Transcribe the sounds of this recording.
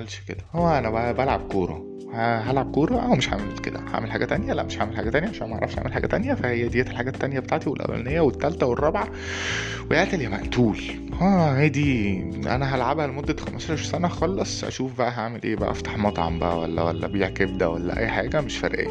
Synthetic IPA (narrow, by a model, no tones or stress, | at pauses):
ælʃked̪æhowːæʔænæbæʔæbælʕa̰b̚koːɾˤɑ̰ | hæɦælʕab̚koːɾˤɑʔæwmeʃħa̰melkḛd̪æ̰ha̰ʕmelħaːɡæt̪ænjælæ̰ʔmeʃhaʕmelħaːɡæt̪ænjæʔeʃænæmæʔʕɾˤɑ̰fʃʔa̰melħaːɡæt̪ænjæfæhejːæd̪ejæt̪elħaɡæt̪ːænjæbet̪aʕt̪iwelʔæ̰wːæ̰lnejːæwet̪ːælt̪æwerˤːɑbʕɑ | weʔeʔt̪eljæmæʔt̪uːl | ʔæːhæjd̪iʔæ̰næɦælʕabhælmod̪ːæxæmæsˤɑɾˤʃsænæxɑlːɑsˤʔæ̰ʃuːfbæʔæɦaʕmelʔeːbæʔæ̰ft̪ɑ̥ħmɑt̪ˤʕɑ̰mbæ̰ʔæ̰wælːæ̰wælːæ̰biːʕkebd̪æwælːæ̰ʔæ̰jːħaːɡæmeʃfæɾʔḛːæ